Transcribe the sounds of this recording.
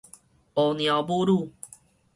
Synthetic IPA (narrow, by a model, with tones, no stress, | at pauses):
o˨˩nj̃a˨˩bu˦ɾu˥˨